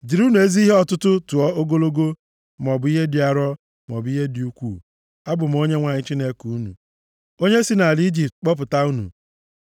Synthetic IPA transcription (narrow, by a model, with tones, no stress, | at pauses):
d͡ʒi˨ɾu˦nu˨e˦zi˦i˦ɦe˦ɔ˨tʊ˦tʊ˦tu˨ɔ˦o˦ɡo˦lo˦ɡo˦ | m̩˨ɔ˨bʊ˨˦i˦ɦe˦dɪ˨a˨ɾɔ˦ | m˨ɔ˨bi˦ɦe˦di˨u˦kʷu˦˨ | a˦bʊ˨m̩˨o˦ɲe˦ŋʷa˨ɲɪ˦t͡ʃi˦ne˦ku˨u˦nṵ˨ | o˦ɲe˦si˦na˨li˦d͡ʒi˨p̚t̚k͡pɔ˦p̬ʊ˨ta˦u˦nṵ˨